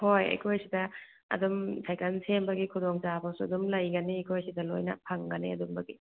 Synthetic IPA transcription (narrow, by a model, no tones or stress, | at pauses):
hojɐ̰jkʰojsidɐ | ɐ̰dumsʰajkansʰembɐɡikʰudoŋt͡ʃapʰawsuɐdumlɐjɡɐniɐjkʰojsidɐlojnɐ̰pʰaŋɡɐnḭɐdumbɐɡi